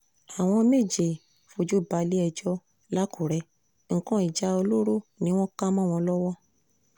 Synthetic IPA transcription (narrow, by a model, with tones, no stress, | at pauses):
a˨w̃ɔ̃˧me˦˨d͡ʒe˨ | fo˧d͡ʒu˦ba˨˧li˦ɛ˧d͡ʒɔ˦ | la˦kʰu˨ɾɛ˧ | ŋ̩˨kɔ̃˨˧˦i˨d͡ʒa˧o˧lo˦ɾo˦˨nĩ˧˦w̃ɔ̃˦ka˦mã˦˨w̃ɔ̃˧lɔ˦wɔ˦